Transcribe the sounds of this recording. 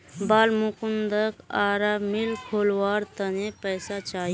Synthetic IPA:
baːlmukund̪əkaːɾamilkʰoːlwaːɾt̪ənepəjsat͡ʃaːɦi

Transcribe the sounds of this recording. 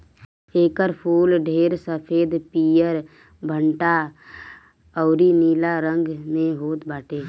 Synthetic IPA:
eːkəɾpʰuːlɖʱeːɾsəpʰeːd̪pijəɾ | bʱə̃ɳʈa | əʊɾiniːlaɾə̃ŋɡmẽɦoːt̪baːʈʰeː

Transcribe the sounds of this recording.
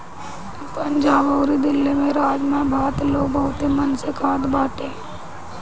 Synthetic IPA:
pəɲd͡ʒaːboːɾid̪ɪlːimẽɾaːd͡ʒmẽbʱaːt̪loːbɔɦʊt̪emənsekʰaːd̪baːt̪e

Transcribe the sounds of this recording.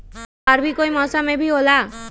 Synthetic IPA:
aɾbʱikojmɔsamebʱiɦola

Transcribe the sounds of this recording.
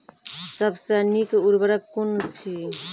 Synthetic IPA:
səbsənikuɾbəɾəkːunut͡ʃʰi

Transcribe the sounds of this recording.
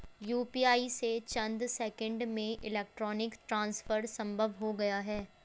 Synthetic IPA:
juːpiaːiset͡ʃɐ̃nd̪sɛːkə̃ɳɖmẽʔɪlɛːk̚ʈɾɔːnɪkʈɾãːnsfəɾsɐ̃mbʱəʋɦoɡɐjaɦɛː

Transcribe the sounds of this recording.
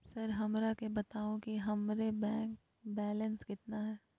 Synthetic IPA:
sɐɾɦɐmɾakebɐt̪aːũkiɦɐmɾebɛ̃ːk̚ | bɛːlə̃nskɪt̪naɦɛː

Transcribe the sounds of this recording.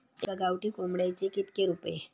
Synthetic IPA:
ekaɡaʋʈiːkomɽjajt͡ɕekit̪keɾupe

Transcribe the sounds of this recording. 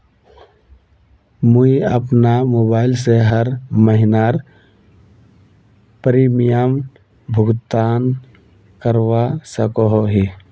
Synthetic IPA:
muiəpnamoːbaːɪlseɦəɾməɦɪnaːɾ | pəɾimijaːm | bʱʊɡt̪aːn | kəɾʋasəkoɦoɦi

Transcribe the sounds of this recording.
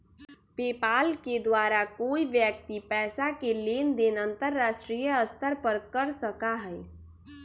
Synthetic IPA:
peːpaːlked̪waːɾakoːiʋjək̚t̪ipɛːsakeleːnd̪enə̃nt̪əɾːaːʃʈɾiːjəɐst̪ʰəɾpəɾkɐɾsəkaɦɛː

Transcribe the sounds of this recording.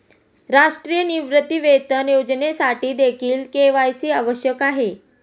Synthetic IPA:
ɾaʂʈɾijəniʋɾət̪iʋet̪ənjod͡ʑənesaʈiːd̪ekʰiːlkeʋajsiːaʋəɕjəkaɦe

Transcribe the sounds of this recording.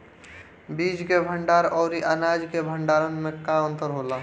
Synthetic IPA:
biːd͡ʒkebʱəɳɖaːɾɔːɾiʔanaːd͡ʒkebʱə̃ɳɖaːɾonmẽkãmə̃nt̪əɾɦoːlaː

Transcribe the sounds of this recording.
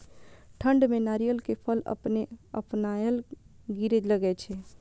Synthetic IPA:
ʈʰəɳɖmenaɾijəlkepʰələ̰pneə̰pnael | ɡiɾed͡ʒləɡɛt͡ʃʰɛ

